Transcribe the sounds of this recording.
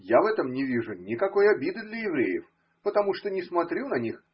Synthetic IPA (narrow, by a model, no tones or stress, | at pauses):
javɛt̪əmnʲɪvʲiʐʊnʲɪkɐko̞jɐbʲid̪ɨd̪lʲəjɪvɾʲejɪ̰f | pət̪ɐmuʂt̪onʲɪsmɐt̪ɾʲunɐnʲix